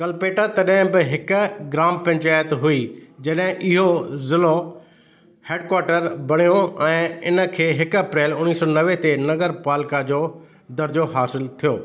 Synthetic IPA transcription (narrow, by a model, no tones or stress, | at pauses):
kɐlpeːʈat̪ɐɗɦɪ̃bɪɦɪkɡɾaːmpɐ̃ɲt͡ɕaːjət̪ɦuid͡ʑɐɗɦɪ̃ʔɪɦozɪlo | heːɖkwaːɾʈəɾbɐɽ̤̃ijoɛ̃ːɪnə̆kʰeːɦɪkɐpɾeːlʊniːsɔnɐʋet̪enɐɡəɾpaːlkad͡ʑoː | d̪ɐɾd͡ʑoɦaːsɪlt̪ʰijoː